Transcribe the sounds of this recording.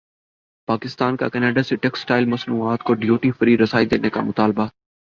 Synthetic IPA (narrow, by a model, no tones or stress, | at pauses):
paːkɪst̪aːnka̰kɛneːɖaseʈɛksʈaːɪlmɐsnuːaːt̪koɖijoːʈifəɾiːɾɐsaːid̪eːneka̰mʊt̪aːlba